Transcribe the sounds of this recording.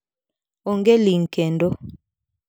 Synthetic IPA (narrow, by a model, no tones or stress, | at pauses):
oŋɡeliŋ̩kɛndɔ